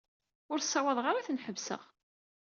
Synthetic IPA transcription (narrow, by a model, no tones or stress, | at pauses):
ʊɾθsːɑwɑðˤʁaɾaθənħəvsə̰ʁ